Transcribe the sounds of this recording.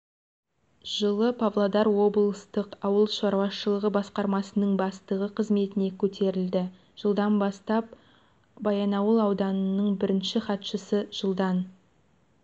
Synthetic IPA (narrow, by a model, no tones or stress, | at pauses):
ʒ̥əlˠəpʰavlˠod̪ɑɾwo̞blˠst̪əqɑwəlˠʃɑɾwɑsʃəlˠəʁəbɑsqɑɾmɑsənəɴbɑst̪əʁəqʰəzme̞t̪ɪne̞kʲʰɵt̪ʰe̞ɾɪld̪ɪ | ʒ̥əlˠd̪ɑnbɑst̪ɑp̚ | bɑjɑnɑwəlˠɑwd̪ɑnənəɴbɪɾɪnʃɪχɑt̪ʃəsəʒ̥əlˠd̪ɑn